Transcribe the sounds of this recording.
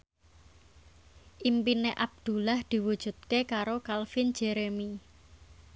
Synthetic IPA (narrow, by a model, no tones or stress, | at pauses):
ʔimpineʔab̚d̪̥ṳlahd̪̥i̤wud̥ʒ̥ṳt̪̚kekaɾokalfind͡ʒ̥eɾemi